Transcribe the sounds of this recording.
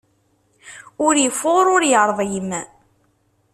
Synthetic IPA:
ʊɾjəfːʊʁɾʊɾjəɾˤðˤjəmːæ

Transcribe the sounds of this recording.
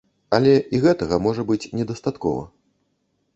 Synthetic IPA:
ɐlʲɛʔiɣɛt̪ɐɣɐmɔʐɐbɨt͡sʲnʲɛd̪ɐst̪at̪kɔ̰vɐ̰

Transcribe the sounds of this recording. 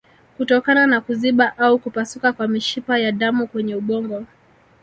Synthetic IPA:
kutɔkananakuziɓaʔaukupasukakwamiʃipajaɗamukwɛɲɛuɓɔŋɡɔ

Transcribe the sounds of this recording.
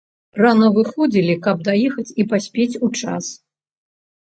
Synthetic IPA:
ranɐvɨxɔd͡zʲilʲikɐb̚d̪ajɛxɐt͡sʲipasʲpʲet͡sʲut͡ʂa̰s

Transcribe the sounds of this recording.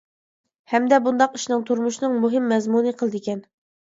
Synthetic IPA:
hɛmd̪ɛbund̪ɑqi̥ʃnɨŋt̪ʰuɾmuʃnɨŋmuɦɨmːɛzmunɨqʰəlˠd̪ɪkʲɛn

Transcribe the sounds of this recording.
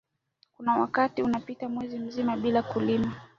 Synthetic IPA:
kunawa̰katiunapitamwɛzim̩zimaɓilakulima

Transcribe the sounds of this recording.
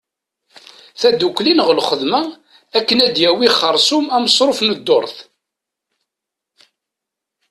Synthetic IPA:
θæd̪ukːlinəʁlχəðmæ | ækːənæd̪jæwiχəɾˤsʊmæməsˤɾˤofnəd̪ːo̰ɾˤθ

